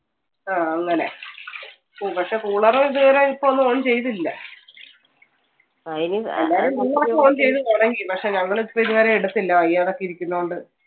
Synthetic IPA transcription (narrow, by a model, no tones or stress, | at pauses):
aːɐŋːɐnḛ | opɐkʂe̞kuːɭɐrɐmiðɨʋɐɾeipːoonːɨoɳt͡ɕe̞jt̪ilːɐ | ɐinelːaːɾumɐŋːɐɭoeoːɳːt͡ɕe̞jt̪ɨɐɳɐŋɡipɐkʂe̞ɲɐŋːɐɭipːɐiðuʋɐɾɐmiɽɐt̪ːilːɐʋɐjːaːðokːeiɾikʲːunːɐuɳɖɨ